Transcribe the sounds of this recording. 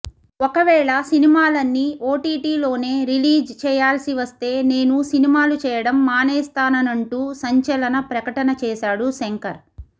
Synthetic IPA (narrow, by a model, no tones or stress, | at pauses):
okɐʋɛːɭɐsinimaːlɐnːioːʈiːʈiːlo̞ːne̞ːɾiliːd͡ʒt͡ʃɛːjaːlsiʋɐst̪e̞ːne̞ːnusinimaːlut͡ʃɛːjɐɽɐmːaːnɛːst̪aːnɐnɐɳʈuːsɐɲt͡ʃɐlɐnɐpɾɐkɐʈɐnɐt͡ʃɛːʃaːɽuseŋkɐɾ